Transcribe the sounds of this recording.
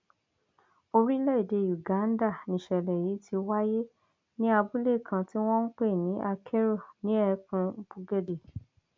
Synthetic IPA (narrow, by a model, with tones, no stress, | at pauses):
o˧ɾi˦lɛ˦i˦˨de˧˨ju˨ɡã˨˦n˦da˦˨nĩ˨ʃɛ˨lɛ˨ji˨˦tʰi˧wa˦je˦ | nĩ˦a˧bu˦le˦˨kʰã˧ti˦w̃ɔ̃˦n̩˦k͡pe˦˨nĩ˨˦ʔa˧kʰɛ˦ɾɔ˦˨nĩ˨˦ɛ˦˧kũ˧˦b̥u˧ɡɛ˦de˨